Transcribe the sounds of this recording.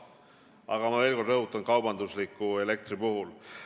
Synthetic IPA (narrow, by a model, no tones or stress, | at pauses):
ɑ̰ɡ̥ɑmɑve̞ːlkord̪ɾɤɦut̪ːˑɑnkɑwbɑnd̪uslikːˑue̞le̞k̚t̪ɾipuɦul